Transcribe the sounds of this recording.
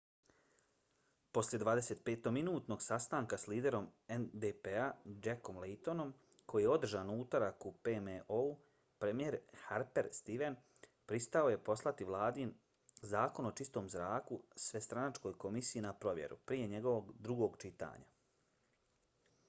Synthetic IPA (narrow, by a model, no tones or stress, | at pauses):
po̞sljed̪ʋaːd̪e̞se̞ːt̪̚peːt̪oɡminuːt̪no̞ɡsast̪aːŋkasliːd̪e̞ɾo̞mend̪epead͡ʒeko̞mlejt̪o̞no̞m | kʰo̞jijeo̞d̪r̩ʒaːnuːt̪oɾakupemeʔou | pɾe̞mijeːɾhaɾpe̞ɾst̪iʋe̞n | pɾist̪ao̞je̞po̞slˠat̪iʋlˠaːd̪in | zaːko̞no̞t͡ʃist̪o̞ːmzɾaːkusʋe̞st̪ɾanat͡ʃko̞jko̞misijinapɾo̞ʋjḛɾupɾije̞ɲe̞ɡo̞ʋo̞ɡd̪ɾuɡo̞ːɡt͡ʃit̪a̰ːɲa̰